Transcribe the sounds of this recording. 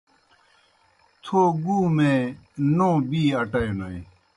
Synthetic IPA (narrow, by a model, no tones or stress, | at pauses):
t̪ʰoːɡuːmẽːnõːbiːɐʈɐjnɐi